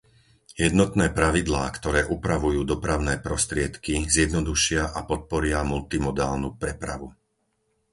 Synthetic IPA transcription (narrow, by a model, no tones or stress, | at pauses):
jɛd̪nɔt̪nɛːpɾaʋid̪laːkt̪ɔɾɛːʔupɾaʋujuːd̪ɔpɾaʊnɛːpɾɔst̪ɾɪɛt̪kizjɛd̪nɔd̪uʃɪaʔapɔt̪̚pɔɾɪamult̪imɔd̪aːlnupɾɛpɾa̰ʋu